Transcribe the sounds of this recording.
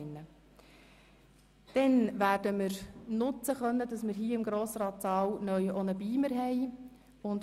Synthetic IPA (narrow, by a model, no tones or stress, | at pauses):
ɪnːə | d̥ɛnʋæːɾdəmɪɾnʊt͡səχœnːədɑsmɪɾɦiːəɪmɡɾoːsɾɑːtsɑːwnœʏʔɔnəbiːməɾɦɛɪ | ʊnt